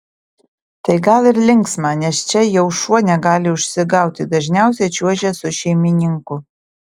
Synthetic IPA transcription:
t̪ɐɪɡɐlˠɪɾlʲɪŋˑksmɑːnʲɛst͡ʃʲɛjɛʊʃuɔnʲɛɡɑːlʲɪʊʃʲsʲɪɡɑˑʊt̪ʲɪd̪ɐʒʲnʲæˑʊsʲɛt͡ʃʲuɔʒʲɛsʊʃʲɛɪmʲɪnʲɪŋkʊ

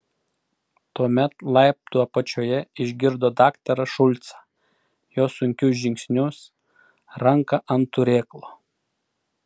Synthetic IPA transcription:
t̪uɔmʲɛt̪lˠɐɪp̚t̪uɔpɐt͡ʃʲoːjɛɪʒʲɡʲɪɾd̪oːd̪ɑːkt̪ʲɐɾɐʃʊlʲt̪sɑ̥ː | joːsʊŋʲkʲʊs̬ʒʲɪŋʲksʲnʲʊs | ɾɐŋkɐʔɐnt̪ʊɾʲeːklˠoː

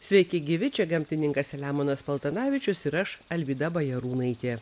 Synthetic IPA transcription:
sʲʋʲɛɪkʲɪɡʲɪʋʲɪt͡ʃʲɛɡɐmʲt̪ʲɪnʲɪŋkɐsʲɛlʲæːmoːnɐspɐlˠt̪ɐnɑːʋʲɪt͡ʃʲʊsɪɾɐʃɐlʲʋʲiːd̪ɐbɐjɛɾuːnɐɪt̪ʲeː

